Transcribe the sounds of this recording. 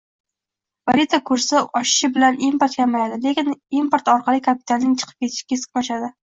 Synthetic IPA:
vaɾit̪ʰakʰɵɾsaɒʃɪ̥ʃɪbɪlanimpoɾt̪kʰʲamajad̪ɪlekʲɪnimpoɾt̪ɒɾqʰɑlˠɪkʰapɪ̥t̪ʰalnɪŋt͡ʃʰɨ̥qʰɨ̥pkʲʰe̞t̪ʰɪ̥ʃɪ̥kʲasɨ̥qnɒʃad̪ɪ

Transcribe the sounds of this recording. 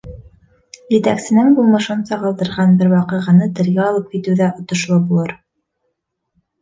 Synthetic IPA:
jɘ̆t̪æ̰ksɘ̆nɘŋbulˠmɤ̆ʃɤnsɑʁɤ̆lˠd̪ɤ̆ɾʁɑnbɘɾwɑqɤ̆ʁɤ̆nɤt̪ɘ̆ɾɡæɒlˠɤp̚kit̪ʉðæʔŏt̪ŏʃlˠɤbulˠɤɾ

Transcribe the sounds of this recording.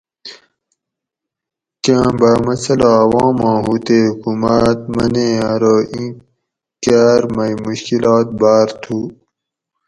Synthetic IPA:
kãːbaːmɐsɐlaɐwɑ̃ːmãːɦuːt̪eːhukuːmat̪mɐnẽaɾoːʔĩ | kaːɾmɐjmuɕkilɑːt̪̚baːɾt̪ʰu

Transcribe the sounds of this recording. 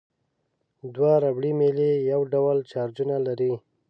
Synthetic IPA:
d̪waɾabɽimelejawɖawlt͡ʃɑɾd͡ʒunalaɾi

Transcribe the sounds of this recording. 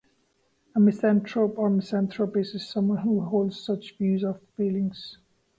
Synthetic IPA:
əmɪsæ̃ntʰɹopə˞mɪsæ̃ntʰɹopɪsɪz̥sʌ̃mwʌ̃nhuɦoʊlˠdz̥sʌt͡ʃvjʉːzəvfilɪ̃ŋz̥

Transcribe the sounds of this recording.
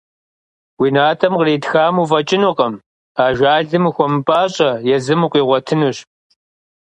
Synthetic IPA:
wiːnaːtʰɐmqreːtxaːmuːvɐt͡ʃʼɪnuqɐm | aːʒʷaːɮɨmɨxʷɔmɨpʼaːɕʼɐjɛzɨmuqʷiːʁʷɔtʰɨnuɕ

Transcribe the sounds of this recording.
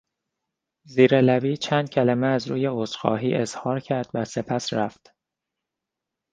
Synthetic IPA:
ziːɾelæbiːt͡ʃʰæːnd̪̚cʲʰælæmeæzɾuːje̞osxɒ̰ːɦiːʔe̞z̥hɒːɾcʰæɾd̪̥væse̞pʰæsɾæft̪

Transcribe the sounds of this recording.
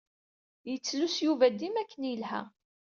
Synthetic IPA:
jət͡sːlusjuvæd̪ːimækʰːənjəlhæ̰

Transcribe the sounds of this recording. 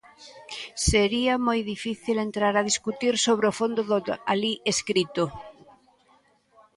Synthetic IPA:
seɾiamojðifiθilent̪ɾaɾaðiskut̪iɾsoβɾofond̪ʊðoalieskɾit̪o

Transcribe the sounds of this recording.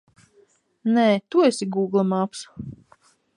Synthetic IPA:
nɛːt̪uesʲiɡuːɡlˠamaps

